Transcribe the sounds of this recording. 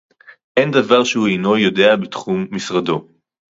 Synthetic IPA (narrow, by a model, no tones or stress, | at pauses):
ʔend̪avaʁʃehuejno̞jo̞de̞abet̪χumːisʁado̞